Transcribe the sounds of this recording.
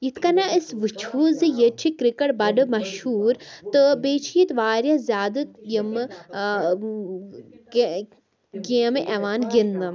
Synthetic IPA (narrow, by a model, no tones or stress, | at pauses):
jit̪ʰkɐnaisʋɨt͡ʃʰuːzɨjet͡ʃʰikɾikɐɽbɐɖɨmɐʃhuːɾt̪ɨbeːt͡ʃʰijit̪ʋaːɾjazʲjaːd̪ɨjim | ɡeːmʔeʋaːnɡinmɨ